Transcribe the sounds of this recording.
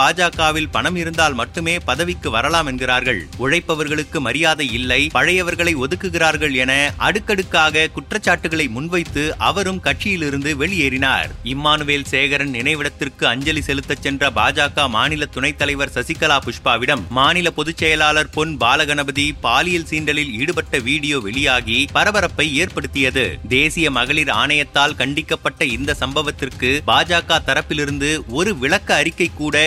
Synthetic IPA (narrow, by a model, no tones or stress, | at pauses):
aːd͡ʒaːkaːʋɪlpɐɳɐmɪɾɯnd̪aːlmɐʈːɯmeːpɐðɐʋɪkːɯʋɐɾɐlaːmɛnɡɪraːɾɣɐɭʊɻɐɪpːɐʋɐɾɣɐɭɯkːɯmɐɾɪjaːðɐɪlːɐɪpɐɻɐjɐʋɐɾɣɐɭɐɪɔðɯkːɯɣɪraːɾɣɐɭɛnɐʔɐ̰ɽɯkːɐɽɯkːaːɣɐkʊʈrɐt͡ʃːaːʈːɯɣɐɭɐɪmʊnʋɐɪt̪ːɯʔɐʋɐɾɯmkɐʈ̚t͡ʃɪjɪlɪɾɯnd̪ɯʋɛɭɪeːɾɪna̰ːɾɪmːaːnɯʋeːlseːɣɐɾɐnnɪnɐɪʋɪɽɐt̪ːɪrkɯɐɲd͡ʒɐlisɛlɯt̪ːɐt͡ʃːɛndrɐbaːd͡ʒaːkaːmaːnɪlɐt̪ːʊɳɐɪt̪ːɐlɐɪʋɐɾsɐsɪkːɐlaːpʊʂpaːʋɪɽɐmːaːnɪlɐpɔðɯt͡ʃːɛjɐlaːlɐɾpɔnbaːlɐɣɐnɐbɐðipaːlɪjɐlsiːɳɖɐlɪliːɽɯpɐʈːɐʋiːɽɪjoːʋɛɭɪjaːɣipɐɾɐbɐɾɐpːɐɪeːɾpɐɽɯt̪ːɪjɐðɯ̰d̪eːsɪjɐmɐɣɐɭɪɾa̰ːɳɐjɐt̪ːaːlkɐɳɖɪkːɐpːɐʈːɐɪnd̪ɐsɐmbɐʋɐt̪ːɪrkɯbaːd͡ʒaːkaːt̪ɐɾɐpːɪlɪɾɯnd̪ɯɔɾɯʋɪɭɐkːɐːɾɪkːɐɪkːuːɽɐ